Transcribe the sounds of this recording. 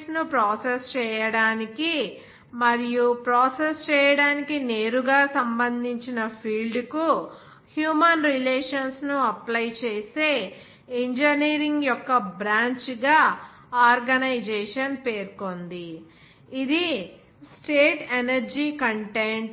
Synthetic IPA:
snupɾaːsest͡ʃɛːjɐɽaːniki | mɐɾijupɾoːsest͡ʃɛːjɐɽaːnikine̞ːɾuɡaːsɐmbɐnd̪ʱiɲt͡ʃinɐpʰiːɭɖku | hjuːmɐnɾileːʂɐnsnuɐplɐjt͡ʃeːseː | iɲd͡ʒɐniːɾiŋɡjɔkːɐbɾaːɲt͡ʃɡaː | aːɾɡɐnɐjd͡ʒeːʂɐnpeːɾko̞nd̪i | id̪i | sʈeːʈenɐɾd͡ʒiːkɐɳʈeɳ

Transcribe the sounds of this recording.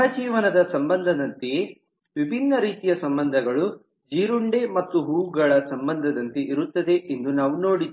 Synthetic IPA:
ɦɐd͡ʒiːʋɐnɐd̪ɐsɐmbɐnd̪ʱɐd̪ɐnt̪eje | ʋibʱinːɐɾiːt̪ijɐsɐmbɐnd̪ʱɐɡɐɭu | d͡ʒiːɾuɳɖe̞mɐt̪ːuɦuːɡɐɭɐsɐmbɐnd̪ʱɐd̪ɐnt̪eʔiɾut̪ːɐd̪e̞ʔend̪unaːʋuno̞ːɽi

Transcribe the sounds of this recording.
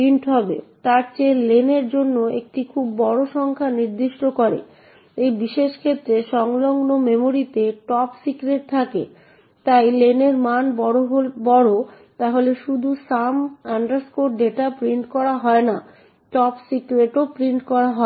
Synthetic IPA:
pɾiɳʈɦɔbḛt̪aɾt͡ɕeleneɾd͡ʑonːoek̚ʈikʰubːɔɽoʃɔŋkʰaniɾd̪iʃʈokoɾḛ | ejbiʃeʃkʰet̪ːɾeʃɔŋloŋnomemoɾit̪eʈɔpsikɾeʈ̚t̪ʰakḛ | t̪ajleneɾmanbɔoɦobɔɽo | t̪aɦoleʃud̪ʱusamaɳɖaɾskoʈɖeʈapɾiɳʈkɔɾaɦɔena | ʈɔpsikɾeʈopɾiɳʈkɔɾaɦɔ

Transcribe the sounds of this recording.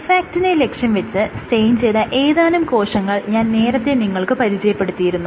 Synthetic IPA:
faːk̚ʈinele̞kʂɐnʋɐt͡ɕːɨsʈe̞jnt͡ɕejðɐʔe̞ːðaːnumko̞ːʂɐŋːɐɭɲaːnne̞ːɾɐt̪ːeniŋːɐɭkɨpɐɾit͡ɕɐjɐpːe̞ɽut̪ːijiɾunːu

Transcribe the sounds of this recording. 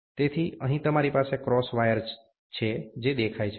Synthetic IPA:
t̪et̪ʰiə̰ɦĩt̪əmaɾipasekɾɔsʋajəɾd͡ʒ | t͡ʃʰed͡ʒed̪ekʰajt͡ʃʰe

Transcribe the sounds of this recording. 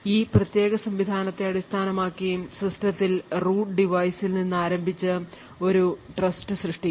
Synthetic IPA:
iːprɐt̪je̞ːɣɐsɐmʋid̪ʱaːnɐt̪ːe̞ɐɽist̪ʰaːnɐmaːkːijumsrɐstɐt̪ːilruːʈɖiʋɐjsilninːaːɾɐmbʱit͡ɕːɨ | o̞ɾuʈrɐsʈɨsrɨʂʈi

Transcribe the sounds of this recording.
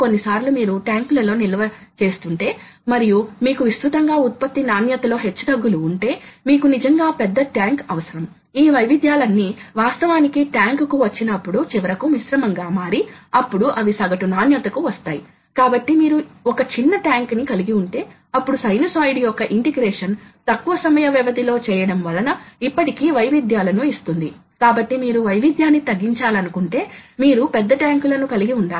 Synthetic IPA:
ko̞nːisaːɾlumiːɾuʈjaːŋklɐlo̞ːnilɐʋɐt͡ʃe̞ːst̪uɳʈe̞ː | mɐɾijumiːkuʋist̪ɾut̪ɐŋɡaːut̪̚pɐt̪ːinaːnjɐt̪ɐlo̞ːɦe̞t͡ʃːud̪ɐɡːuluːɳʈe̞ːmiːkunid͡ʒɐŋɡaːpɛd̪ːɐʈjaːŋkɐʋɐsɐɾɐm | iːʋɐjʋid̪ʱjaːlɐnːiʋaːst̪ɐʋaːnikiʈjaːŋkkuʋɐt͡ʃːinɐpːuɽut͡ʃiʋɐɾɐkumisɾɐmɐŋɡaːmaːɾiɐpːuɽuʔɐʋisɐɡɐʈunaːnjɐt̪ɐkuʋɐst̪aːji | kaːbɐʈːimiːɾuɔkɐt͡ʃinːɐʈjaːŋknikɐliɡiuɳʈe̞ː | ɐpːuɽusɐjnɐsaːjɖijɔkːɐʔiɳʈiɡɾɛːʂɐnt̪ɐkːuʋɐsɐmɐjɐʋiʋɐd̪ilo̞ːt͡ʃɛːjɐɽɐmʋɐlɐnɐipːɐʈikiːʋɐjʋid̪ʱjaːlɐnuist̪und̪i | kaːbɐʈːimiːɾuʋɐjʋid̪ʱjaːnːit̪ɐɡːiɲt͡ʃaːlɐnukuɳʈe̞ːmiːɾupɛd̪ːɐʈjaːŋkulɐnukɐliɡiuɳɖaː

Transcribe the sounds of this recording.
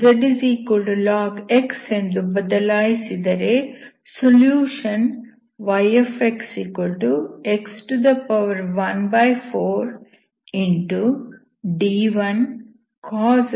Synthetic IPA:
d͡ʒɐɖiziːkulʈulaːɡeksend̪ubɐd̪ɐlaːjisid̪ɐɾe | soljuːʃɐn | ʋɐjefeksiːkulʈueksʈud̪ɐpɐʋɐɾʋɐnbɐjfʰoːɾ | iɳʈu | ɖiːʋɐn | kʰɔːz

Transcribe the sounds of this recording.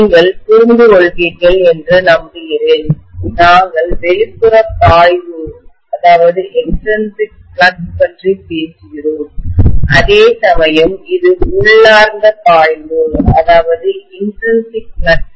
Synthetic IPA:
ŋɡɐɭt̪uɾnd̪ɯɣɔɭɣiːɾɣɐɭɛndrɯnɐmbɪɣɪɾɪlnaːŋɡɐɭʋɛɻɪpːɯɾɐt̪aːjʋɯ | ɐðaːʋɐðɯʔɛnʈɾɐnsɪk̚ | lɐʈpɐndripeːsɯɣɪroːmʔɐ̰ðeːsɐmɐjɐmɪðɯʊɭːaːɾnd̪ɐt̪ːaːjðɯɐ̰ðaːʋɐðɯɪnʈɾɐnsɪk̚lɐʈ̚

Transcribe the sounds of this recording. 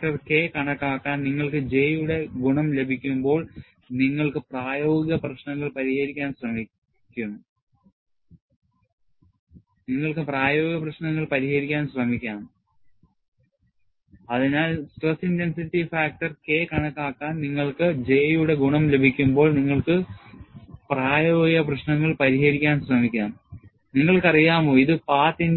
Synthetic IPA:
kʈɐrke̞kɐɳɐkːaːkːaːnniŋːɐɭkɨd͡ʑe̞ːjuɽe̞ɡuɳɐmle̞bʱikʲːumbo̞ːɭ | niŋːɐɭkɨpraːjo̞ːɡiɡɐprɐɕnɐŋːɐɭpɐɾihɐɾikʲːaːnɕrɐmi | kʲːunːu | niŋːɐɭkɨpraːjo̞ːɡiɡɐprɐɕnɐŋːɐɭpɐɾihɐɾikʲːaːnɕrɐmikʲːaːm | ɐðinaːlsʈrɐsintensitːifaːk̚ʈɐrkeːkɐɳɐkːaːkːaːnniŋːɐɭkɨd͡ʑe̞juɽe̞ɡuɳɐmle̞bʱikʲːumbo̞ːɭniŋːɐɭkɨ | praːjo̞ːɡɡɐprɐɕnɐŋːɐɭpɐɾiɦɐɾikʲːaːnɕrɐmikʲːaːm | niŋːɐɭkɐrijaːmoːiðɨpaːt̪ːin

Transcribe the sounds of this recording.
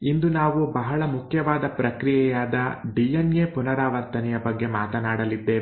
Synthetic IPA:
ind̪unaːʋubɐɦɐɭɐmukʰjɐʋaːd̪ɐpɾɐkɾijɛjaːd̪ɐɖijenjeːpunɐɾaːʋɐɾt̪ɐnɛjɐbɐɡːe̞maːt̪ɐnaːɽɐlid̪ːeː

